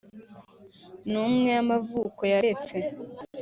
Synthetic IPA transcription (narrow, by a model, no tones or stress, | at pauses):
numŋe̞amavuːko̞jaɾet͡se̞